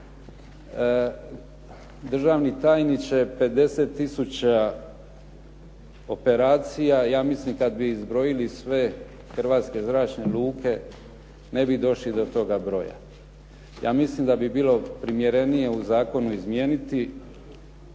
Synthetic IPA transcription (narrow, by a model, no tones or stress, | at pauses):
d̪r̩ʒaːʋnit̪aːjnit͡ɕe̞pe̞d̪e̞set̪ːisut͡ɕa | o̞pe̞ɾaːt̪sijajaːmislimkad̪biːzbɾo̞jilisʋe̞ | xr̩ʋaːt̪ske̞zɾaːt͡ʃneluːkʰe̞ | ne̞bid̪o̞ʃlid̪o̞t̪o̞ɡabɾo̞̰ja̰ | ja̰ːmislimd̪abibiːlo̞pɾimje̞ɾe̞nije̞uzaːko̞nuizmje̞ːnit̪i